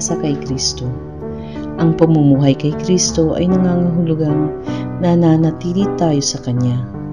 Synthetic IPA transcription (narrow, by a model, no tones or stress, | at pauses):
sɐkɐjkɾist̪o̞ | ʔɐŋpɐɡ̚mumuːɦɐjkɐjkɾist̪o̞ʔɐ̰jnɐŋaːŋɐɦʊlʊɡannɐnanɐt̪iːlɪt̪aːjo̞sɐkɐnja